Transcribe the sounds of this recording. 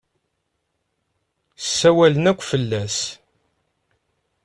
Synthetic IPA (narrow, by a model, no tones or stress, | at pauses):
sːæwælənækʷːfəlːæs